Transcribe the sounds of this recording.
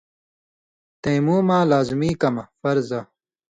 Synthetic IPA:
t̪ẽːmuːmãːlaːzmiːkɐmɐfɐɾzɐ

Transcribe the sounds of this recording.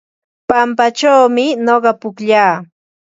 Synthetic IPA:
pampat͡ʃawmɪɲoɢɑpʊkʎaː

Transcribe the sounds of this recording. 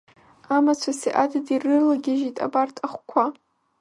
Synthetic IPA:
amat͡sʷʰasḭʔadadirɨlaɡʲɪʒitʼa̰bartʰʼaχʷkʷʰa

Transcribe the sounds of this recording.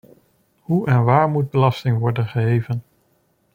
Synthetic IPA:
ɦuʔɛnʋaːɹmud̚bəlɑstɪŋʋɔɹdənχəɦejvən

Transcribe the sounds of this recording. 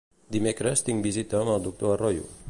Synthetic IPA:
d̪imekɾest̪iŋbizit̪amalˠd̪uk̚t̪oarojṵ

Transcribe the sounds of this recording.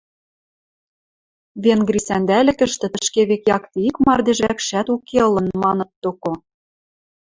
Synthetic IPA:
βenɡɾisænd̪ælʲɘ̆kə̆ʃt̪ɘ̆t̪ə̆ʃkeβekjɑkt̪eikmɑrd̪eʒækʃæt̪ukeɤlɤ̆nmɑnɤ̆t̪ːoko

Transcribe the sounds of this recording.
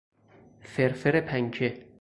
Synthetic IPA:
feɾfeɾepʰæŋkʰe

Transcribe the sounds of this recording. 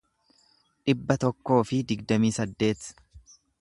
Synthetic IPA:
ᶑɪbːɐt̪ɔkːo̞ːfɪd̪ɪɡd̪ɐmiːsɐd̪ːe̞ːt̪

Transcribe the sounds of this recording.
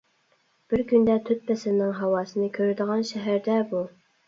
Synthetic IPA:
b̥ɪɾkʲynd̪æt̪ʰɵt̪̚pæsɪnɪŋɦɑwɑsɨ̆nɨkʲʰøɾæd̪ɪʁɑnʃæɦæɾd̪æbu

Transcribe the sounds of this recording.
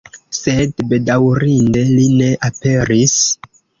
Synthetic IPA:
se̞dbe̞dawɾinde̞line̞ʔape̞ɾis

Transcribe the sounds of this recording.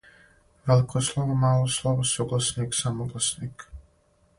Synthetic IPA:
ʋelikʰoslˠoʋomaːlˠoslˠoʋosuɡlˠasniksamoɡlˠasnik

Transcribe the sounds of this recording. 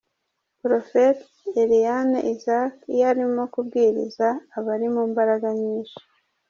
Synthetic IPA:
pɾo̞fet̪ | eɾijanḛʔizakjaɾimo̞kub̚ɡiːɾḭzaːβaɾimuːmbaɾaɡaɲiːnʃi̥

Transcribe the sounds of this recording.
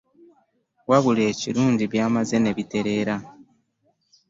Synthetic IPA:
waβule̞ːciɾuːɲɟiβjaːmaze̞ne̞βite̞ɾe̞ːɾa

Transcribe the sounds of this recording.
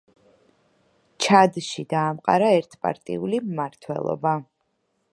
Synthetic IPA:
t͡ʃʰad̪ʃid̪aːmqʼa̰ɾaɛɾt̪ʰpʼa̰ɾt̪ʼḭulimmaɾt̪ʰwɛ̰lˠɔ̰ba

